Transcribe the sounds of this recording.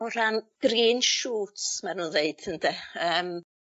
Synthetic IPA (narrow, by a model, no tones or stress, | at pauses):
ɔɾanɡ̥riːnʃuːtsmarnuːndeɨd̥əndɛəːm